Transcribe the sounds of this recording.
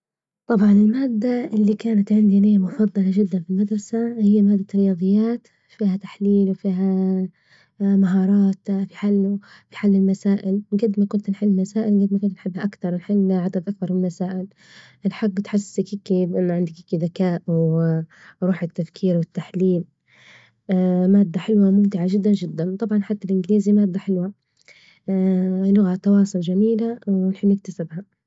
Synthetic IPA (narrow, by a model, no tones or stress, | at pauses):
t̪ˤɑbʕɑnɪlmaːd̪ːaʔɪlːikaːnat̪ʕɪnd̪inɪjːamʊfɑd̪ˤːɑlaʒɪd̪ːanfilmad̪ɾˤɑsahɪjːamaːd̪ːaɾɪjɑːd̪ˤɨjːaːt̪ | fiːhat̪ḁħliːlwfiːɦa | maɦɑːɾˤɑːt̪fiħalː | fi̥ħaːlːɪlmasaːʔɪlɡad̪makʊnt̪nħɪlːmasaːʔɪlɡad̪makʊnt̪nħɪbːhaʔakt̪ɑɾˤnħɪlːʕad̪ad̪ʔak̚b̪ɑɾˤmɪlmasaːʔɪl | ʔlħaɡːt̪ħɪsɪkiːkibʔɪnːʊʕɪnd̪ikikiðakaːʔwɪ | ɾˤuːħɪt̪ːafkʰiːɾwɪt̪ːaħliːl | maːd̪ːaħɪlwamʊmt̪ɪʕaʒɪd̪ːand͡ʒɪd̪ːant̪ˤɑbʕɑnħat̪ːalʔɪnɡɪliːzimaːd̪ːaħɪlwa | lʊɣat̪ːɑwɑːsˤʊld͡ʒamiːlawɪnħɪbnɪk̚t̪asɪbha